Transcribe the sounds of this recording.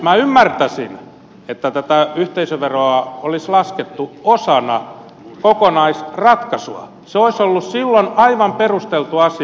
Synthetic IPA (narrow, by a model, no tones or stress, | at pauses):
mæymːært̪æsḭn | et̪ːæt̪æt̪æyht̪eisøʋeroɑolislɑsket̪ːuosɑnɑ | kokonɑisrɑt̪kɑsṵɑ̰ | seoisolːussilːonɑiʋɑmperust̪elt̪uɑsi